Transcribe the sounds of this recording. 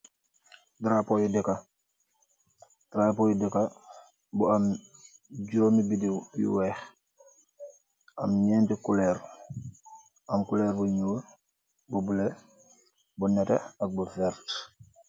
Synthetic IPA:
dɾaːpojudɛka | dɾaːpoːjudɛka | buam | ɟoːmibidijṵwɛːx | ɐ̰mɲɛːntikulɛɾ | ɐmkulɛɾbuɲuːl | bubule | bunɛtḛɐk̚bufɛɾt

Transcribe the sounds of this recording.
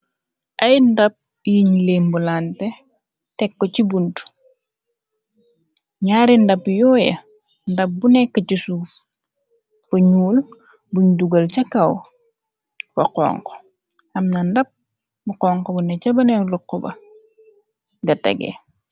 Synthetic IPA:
ʔɐjndɐp̚ | jiɲileːmbulantɛ | tɛkːɔcibuntu̥ | ɲaːɾindɐpjɔːjɐ̰ | ndɐp̚bunɛkːɐcusuːf | bɐɲuːl | buɲduɡɐlt͡ʃɐkɐw | b̥ɐqɔ̰ːŋko̥ | hɐmnɐndɐp̚ | buqɔːŋkɔbunɛcɐbɐnɛnluqːɔbɐ̰ | ɡɐtɛ̰ɡɛ̰

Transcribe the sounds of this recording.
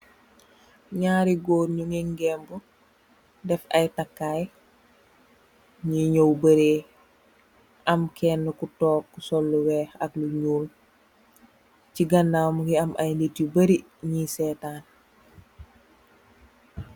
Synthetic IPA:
ɲaːɾiɡoːɾɲuŋiŋɡɛːmbu | dɛfɐjtakːaːj | ɲiɲowbɐɾeː | ʔɐmkʰɛnːəkutɔːkːusɔlːuwɛːxɐkluɲuːl | ciɡɐnːaːmɡiɐmʔɐjnditibɐɾi | ɲisɛːtaːn

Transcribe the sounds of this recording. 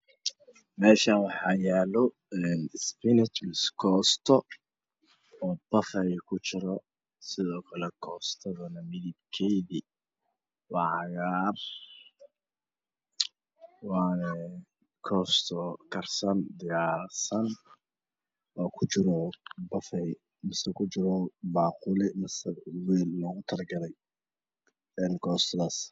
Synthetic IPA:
mɛːʃɐwɑħɑːjaːlɔ | ɛːnspɪnɪt͡ʃ̪skʰɔːst̪ʰɔ | b̥ɐfɐjkʰʊt͡ʃɪɾɔ | sɪðɔːkʰɐlɛkʰɔːst̪ʰɐðʊnɐmɪðɪb̚kʰɛjði | wɑʕɑɣaːr | wɑːnɛ | kʰɔːst̪ʰɔkʰɐrsɐnd̪ɪjaːrsɐn | wɑːkʰʊt͡ʃɪɾɔbɐfɛj | mɪsɐkʰʊt͡ʃɪɾɔbaːqʊlɪmɐsɐwiːlnɔːɣʊt̪ʰɐrɡɐlɛj | ɛːnkʰɔːst̪ʰðas

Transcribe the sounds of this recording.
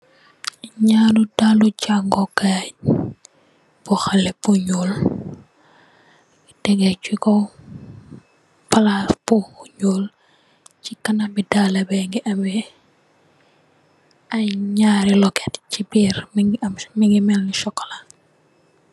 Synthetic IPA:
ɲaludalucaŋɡɔɡa | b̥ɔxalɛbuɲul | idɛɡɛt͡ʃikɔ | pɐlasbuhuɲul | cikɐnabidalɐbɛŋɡiʔɐmɛ | ɐjɲaːɾilɔkɛtcibiːɾmmiŋɡimɛlniʃɔkːla

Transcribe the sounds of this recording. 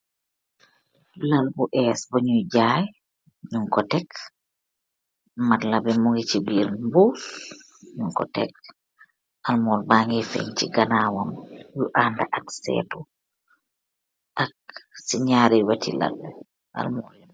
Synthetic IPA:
lalbuʔɛsboɲujd͡ʒaj | ɲuŋkɔtɛk | matlabɛmuŋɡit͡ʃibiɾbuf | ɲuŋkɔ̰tɛk̚ | ʔalmɔlbaŋɡɛfḛɲt͡ʃiɡanawɔmjuʔandaʔaksɛ̰ːtu | ʔak̚siɲaɾɛwatʰila̰lbɛ | ʔa̰lmɔ

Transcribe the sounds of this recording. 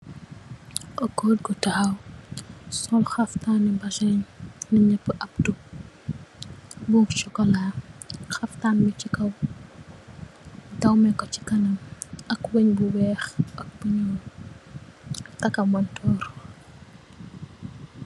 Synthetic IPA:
ʔɔkɔːd̚ɡɔtaw | sɔlxɐftaːnibɐʃɛɲnɐɲɛpːəʔɐp̚tu | bukt͡ʃɔkɔlaxɐftaːnbit͡ʃikɐw | dɐwmɛkɔt͡ʃi̥kɐnɐmɐkwɛɲbuwɛːxʔɐk̚buɲɔːl | tɐkɐmɐntʰɔːɾ

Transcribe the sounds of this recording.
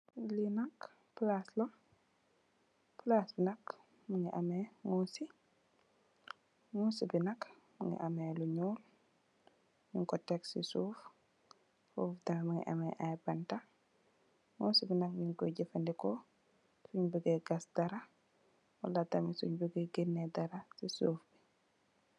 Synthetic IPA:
linak | plaslɔ | plasbinɐk | muŋɡiʔamɛŋoːsi | ŋuːsibinɐk | mṵŋɡḭʔamɛluɲuːl | jiŋkɔtːɛksḭsuːf | fuftamimuŋḭʔa̰mɛʔajbanta | ŋusibinɐk̚ɲiŋɡoɟifandikɔ | suɲbəɡɛɡasd̥aɾa | wa̰lːatamisuɲbuɡeɡenːedaɾasisuːfbi

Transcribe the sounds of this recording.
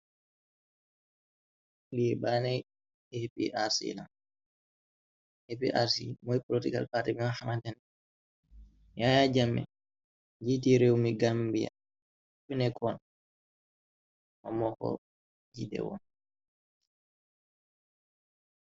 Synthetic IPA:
liɛbanɛj | ehpḭʔasḭlan | hɛpiʔaɾsḭmɔjplotiɡa̰lpatɛmiahamantɛn | jajad͡ʒamːɛ̰ | d͡ʒit̬iɾewmiɡambija̰ | finɛkʰɔn | mamɔkɔ̰ | d͡ʒidɛ̰wɔ̰n

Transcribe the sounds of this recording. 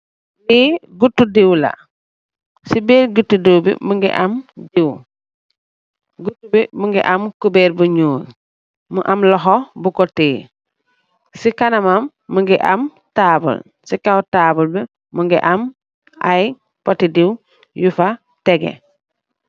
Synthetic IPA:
liɡutːudiwlɐ̰ | sibeːɾɡutːudiwbḭmuŋɡḭʔamdiw | ɡutːubimuŋɡḭʔamkubeːɾbuɲuːl | muʔamlɔɦɔbukɔtiː | sikanɐmamːuŋɡiʔa̰m | taːbṵl | sikawtaːbulbi | muŋɡḭʔam | a̰j | pɔtidiw | jufa | tɛɡḛ

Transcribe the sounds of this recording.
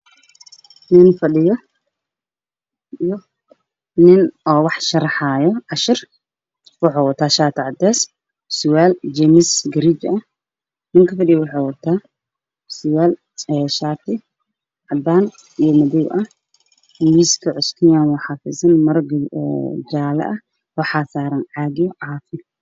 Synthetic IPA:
nɪnfɐɗɪjɔ | ijɔ | nɪnɔːwɑħʃɐɾɑħaːjɔʕɑʃɪr | wɑħaːwɐt̪ʰaːʃaːt̪ʰɪʕɑd̪ɛːs | sʊwaːld͡ʒɛmɪsɡɐɾit͡ʃɐ | nɪŋkʰɐfɐɖɪjɐwɑħɑːwɐt̪ʰːaː | sʊwaːl | ɛːʃaːt̪ʰɪ | ʕɑd̪aːn | ijɔmɐðɛwʔɐ | wiːskʰɐʕʊskʰɪjaːnwɑħɑfɪsɐnmɐɾɡ̰ | d͡ʒaːlɐ̰ʔɐ | wɑħɑːsaːɾɐnʕɑːɡɪjʕaːfɪ

